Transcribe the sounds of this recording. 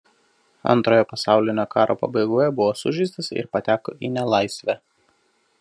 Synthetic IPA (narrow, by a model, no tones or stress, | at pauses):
ɐ̰nt̪ɾoːjoːpɐsɑˑʊlʲɪnʲoːkɑːɾʔoːpɐ̰bɐɪɡoːjɛbʊʋoːsʊʒʲɪsʲt̪ʲɪsɪ̰ɾpɐt̪ʲæːko̰ʔinʲɛlˠɐɪsʲʋʲæː